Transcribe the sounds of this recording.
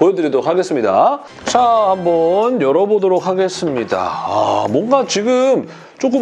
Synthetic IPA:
pojʌdɯɾidoɾokʰaɡe̞s͈ɯmɲida̰ | t͡ɕʰahambʌnjʌɾʌbodoɾok̚haɡe̞s͈ɯmɲida̰a̰mwʌnɡat͡ɕiɡɯm | t͡ɕ͈ok͈ɯm

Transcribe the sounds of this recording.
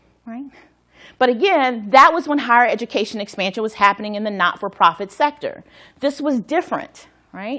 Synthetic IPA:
ɹaɪt̚ | b̥ʌɾɨɡɛ̃nðət̚wʌzwʌ̃nɦaɪə˞ɛd͡ʒɨkʰeɪʃɨ̃nɨkspæ̃nʃɨ̃nwʌz̥hæpɨnɪ̃ŋɨ̃nðɨnɑ̰tfə˞pʰɹ̥ɑfɨtsɛk̚tə̰˞ | ðɪswʌzdɪfɹɨ̰̃nt | ɹaɪt̚

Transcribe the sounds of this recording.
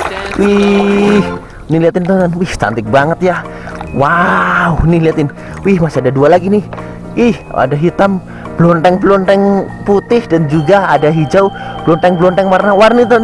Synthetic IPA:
wi | h | niliat̪ɪnt̪onwiht͡ʃa̰nt̪ɪk̚baŋət̪ja | wauniliat̪ɪn | wihmasiadadualaɡinɪh | wʔiha̰daɦit̪am | b̥lɔnt̪ɛŋblɔntɛŋ | put̪ɪhdand͡ʒuɡaadaɦid͡ʒawblɔnt̪ɛŋblɔnt̪ɛŋmarnawarnit̪ɔn

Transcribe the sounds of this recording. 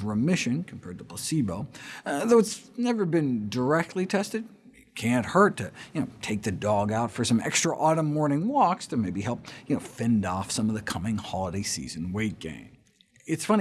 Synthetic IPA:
ɹəmɪʃɨ̃nkʰm̩pʰɛɹd̚tʰəpʰl̥əsiboʊðoʊɨtsnɛvə˞bɨ̃ndə˞ɛk̚tʰˡlitʰɛstɨd̚ | kʰæ̃nʔhɜ˞tʰɨjɨnoʊtʰeɪk̚ðɨdɔɡaʊtfə˞sʌ̃mɛ̰kstɹ̥əʔɔɾə̃mːɔɹnɪ̃ŋwɔkstʰɨmeɪbihɛlˠp̚jɨnoʊfɛ̃ndɔfsʌ̃mʌvðɨkʰʌmɪ̃ŋhɑlˠəɾeɪsḭzɨ̃nweɪt̚ɡ̥ḛ̃ɪ̃m | ɨtsfʌ̃n

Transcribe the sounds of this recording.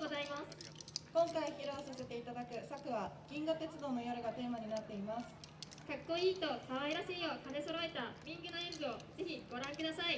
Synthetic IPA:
ozaimasɨ̥kõ̞ŋkaiçiɾoːsase̞t̪e̞it̪ad̪akɯ̟sakɯ̟βaɡ̥ʲĩŋɡɯt̪e̞t͡sɨd̪o̞ːno̞jo̞ɾɯ̟ɡat̪e̞ːmaɲ̟inat̪ːe̞imasɨ̥ | kakːo̞iːt̪o̞kaβaiɾaɕiːo̞kane̞so̞ɾo̞e̞t̪abʲĩŋɡɯ̟noẽnbɯo̞ze̞çiɡo̞ɾãŋkɯ̟d̪asai

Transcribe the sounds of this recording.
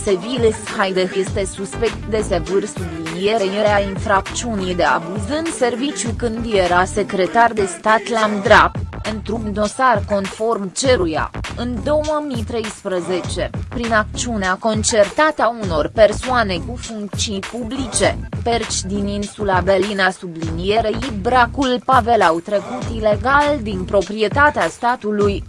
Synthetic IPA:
sevilshajd̪eje̞st̪e̞suspe̞k̚t̪̚d̪e̞se̞vɨrsublinije̞ɾejeɾeainfɾak̚t͡ʃ̪t͡ʃiunijd̪e̞a̰buzɨnd̪se̞rvit͡ʃʲjukɨnd̪jeɾase̞kɾe̞t̪ard̪e̞st̪at̪lamd̪ɾapɨnt̪ɾumd̪o̞sarko̞nfo̞rmt͡ʃe̞ɾuja̰ɨnd̪o̞wəmijt̪ɾe̞jspɾəze̞t͡ʃe̞pɾinak̪̚t͡ʃiuneako̞nt͡ʃe̞rt̪at̪auno̞rpe̞rsoane̞kufuŋk̚t̪t͡ʃiipublit͡ʃe̞pe̞rt͡ʃʲd̪ininsulabelinasublinije̞ɾejibɾakulpave̞lawt̪ɾe̞kut̪ile̞ɡald̪inpɾo̞pɾie̞t̪at̪east̪at̪uluj

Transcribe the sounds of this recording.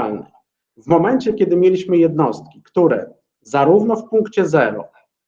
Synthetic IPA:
lnɛ̰ | vmɔmɛnt͡ɕɛkʲɛd̪ɘmʲjelʲiɕmɘjɛd̪nɔst̪̚kʲi̥kt̪uɾɛ̰ | zaɾuvnɔfpuŋkt͡ɕɛzɛɾɔ̰

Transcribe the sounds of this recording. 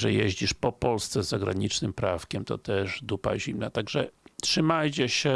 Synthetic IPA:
ʐɛjeʑd͡ʑiʂpɔpɔlst̪sɛzːaɡɾa̰ɲit͡ʂnɘmpɾafkʲɛmt̪ɔ̰t̪ɛʂd̪upa̰ʑimnat̪aɡʐɛtʂɘmajt͡ɕɛɕɛ

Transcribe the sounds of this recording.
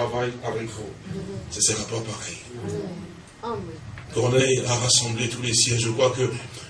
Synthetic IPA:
avajavɛkosasəʁapapaʁɛj | kɔʁnɛjaʁasɑ̃blet̪ulesjɛ̃ʒəkχwakə

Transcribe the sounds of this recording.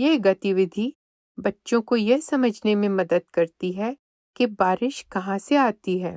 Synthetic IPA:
jeɦɡɐt̪iʋɪd̪ʱi | bɐtːʃõkojɛɦsɐməd͡ʒʱnemẽmɐd̪əd̪̚kɐɾt̪iɦɛ | kebaːɾɪʃkɐɦãseaːt̪iɦɛː

